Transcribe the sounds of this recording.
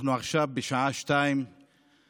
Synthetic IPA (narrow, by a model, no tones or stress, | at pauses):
nuaχʃavbeʃaʔaʃtaim